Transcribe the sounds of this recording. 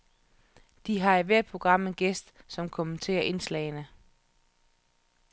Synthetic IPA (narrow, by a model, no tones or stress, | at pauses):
d̥iɦɑ̈æʋæɐ̰̥pʰʁo̝ɡ̥ʁɑ̈m̰enɡ̥esd̥sɒ̽mkʰomənt͡sʰe̝̰ːɐʔe̝nslɛ̰ɪnə